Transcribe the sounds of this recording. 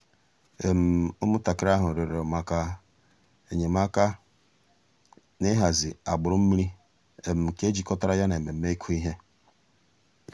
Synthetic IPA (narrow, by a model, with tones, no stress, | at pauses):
e˨m̩˨ʊ˦mʊ˦ta˨kɪ˦ɾa˦ɦʊ˨ɾi˨ɾe˨ɔ˨ma˨ka˦ | e˨ɲe˨m˦a˦ka˦ | nɪ˦ɦa˨zɪ˨a˨ɡ͡bʊ˨ɾʊ˦m̩˦mi˦ɾi˦ | e˨m̩˨ke˦d͡ʒi˨kɔ˦ta˦ɾa˦ja˦ne˨me˨m̩˦me˦i˦kʰu˦i˦ɦe˦